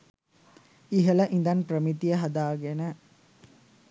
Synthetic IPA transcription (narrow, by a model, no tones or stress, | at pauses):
iɦɐlɐʔind̪ɐnpɾəmit̪ijɐɦɐd̪aːɡenə